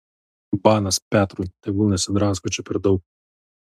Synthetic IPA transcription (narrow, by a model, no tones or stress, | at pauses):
bɑːnɐspʲæːt̪ɾujt̪ɐɪbʊlˠnʲɛsʲɪd̪ɾɑːskɔt͡ʃʲɛpʲɛɾd̪ɒʊk̚